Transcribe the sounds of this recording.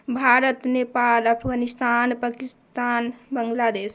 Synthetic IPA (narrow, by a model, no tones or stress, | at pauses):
bʱaɾət̪nepaləpʰɡanist̪anpakist̪anbəŋɡlad̪es